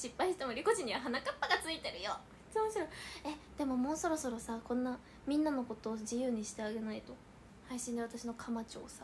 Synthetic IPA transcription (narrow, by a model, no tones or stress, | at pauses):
ɕipːaiɕi̥t̪emoɾʲiko̞ʑiɲ̟ːiβaɦanakapːaɡat͡sɨit̪e̞ɾɯ̟jo | i̥t͡sɨmoɕiɾoe̞d̪̥e̞mo̞mo̞ːso̞ɾo̞so̞ɾo̞sakõ̞nːa | mʲĩnːano̞ko̞t̪o̞ːd͡ʑijɯ̟ːɲ̟iɕi̥t̪e̞aɡe̞nait̪o̞ | haiɕĩnd̪eβ̞at̪aɕino̞kʰamat͡ɕo̞̰ːsḁ